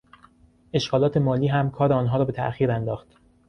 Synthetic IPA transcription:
e̞ʃɡɒːlɒːt̪ʰe̞mɒːliːɦæmkʰɒːɾeɒːnɦɒːɾɒːbe̞t̪ʰæ̰ʔxiːɾænd̪ɒːxt̪

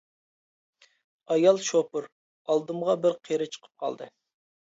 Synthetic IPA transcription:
ɑjɑlˠʃopʊɾ | ɑlˠd̪ɨmʁɑbɪɾqʰeɾɪt͡ʃʰə̥qʰə̥p̚qʰɑ̰lˠd̪ɨ

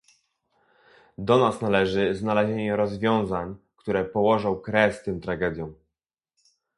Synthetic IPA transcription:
d̪ɔnasnalɛʐɘznalɛʑeɲɛɾɔzvʲjɔ̃w̃zaɲkt̪uɾɛpɔwɔʐɔ̃w̃kɾɛst̪ɘmt̪ɾaɡɛd̪ʲjɔ̃w̃

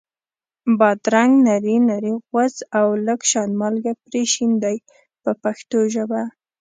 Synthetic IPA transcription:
bɑd̪ɾaŋɡnaɾinaɾiɣwazawləɡʃɑnmɑlɡapɾeʃind̪aj | pəpaxt̪oʒəba

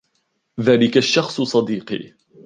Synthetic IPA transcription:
ðaːlɪkaʃːɑxsˤsˤɑd̪iːqḭː

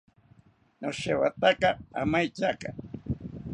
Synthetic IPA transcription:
noʃewat̪akaa̰majt͡ʃaka

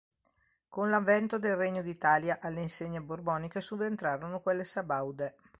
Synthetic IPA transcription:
konlavːɛnt̪od̪elreɲːod̪it̪aːljaʔalːeinseɲːeborbɔːnikesuvent̪ɾaːɾonokwelːesabawd̪e

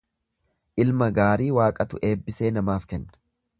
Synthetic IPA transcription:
ʔɪlmɐɡaːɾiːwaːkʼɐt̪ʊ̰ʔe̞ːbːɪse̞ːnɐmaːfkɛnːɐ̥

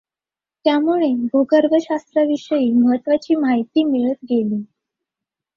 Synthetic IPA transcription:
t̪jamuɭeɡʱoɡəɾbəɕast̪ɾaʋiʂəjiːməɦət̪ːʋat͡ɕiːmaɦit̪iːmiɭət̪̚ɡeliː

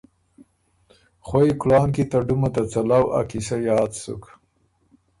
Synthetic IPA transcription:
xwoiklɑːnkit̪aɖumat̪at͡salawa̰kisajɑːt̪sṵk

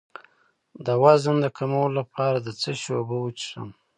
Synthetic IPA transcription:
d̪əwazənd̪əkʰamawəlolapʰɑɾad̪ət͡səʃobəwət͡ʃsə̰m

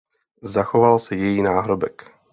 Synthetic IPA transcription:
zaxovalsɛjɛjiːnaːɦɾobɛk

